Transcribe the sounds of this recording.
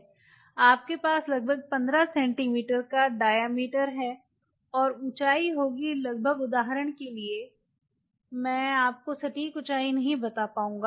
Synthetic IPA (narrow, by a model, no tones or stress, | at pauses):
aːp̚kepaːslɐɡ̚bʱəɡ̚pɐ̃nd̪ɾasɛ̃ːɳʈimiːʈəɾkaɖaːjaːmiːʈəɾɦɛ | ɔːɾʊt͡ʃaːiɦoːɡilɐɡ̚bʱəɡʊd̪aːɦɾəɽ̃kelie | mɛ̃ːaːp̚kosɐʈiːkʊt͡ʃaːinɐɦĩbɐt̪apaːũːŋɡaː